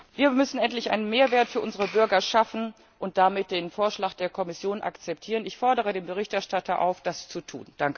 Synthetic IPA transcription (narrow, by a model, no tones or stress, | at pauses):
viːɐmʏsn̩ɛntlɪçʔa̰ɪnənmeːɐveːɐtfyːɐʔʊnzəʁəbʏɐɡɐʃafn̩ | ʔʊnt̚d̥amɪt̚d̥eːnfoːɐʃlaːkd̥eːɐkʰɔmɪsjoːnʔa̰kt͡sɛp̚tʰiːʁ̞ənɪçfɔɐdəʁ̞ədeːmbəʁ̞ɪçtʔɛɐʃtatʰɐʔa̰ʊfd̥ast͡sutʰṵːnd̥aŋkə